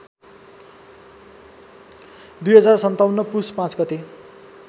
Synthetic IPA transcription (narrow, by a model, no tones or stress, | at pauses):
d̪ujɦʌd͡zarsʌnt̪awnːʌpuspãt͡sɡʌt̪e